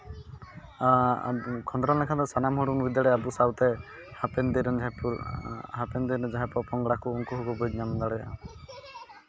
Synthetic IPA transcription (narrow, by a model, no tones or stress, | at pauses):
kʰɔnd̪ɾɔlɛkʰat̪ɔsanamɦɔɽunbid̪jaɽeabusawt̪e | hapend̪iɾn | ɦapend̪iɾd͡ʒaɦɛpɔpɔŋɡɽakuuŋkuɦukubɔjd͡ʒnamd̪aɽɛja̰